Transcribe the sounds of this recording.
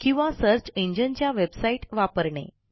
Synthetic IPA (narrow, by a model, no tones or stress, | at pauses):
kĩw̃ʋasəɾt͡ɕẽɲd͡ʑənt͡ɕjaʋebsaiʈʋapəɾɳḛ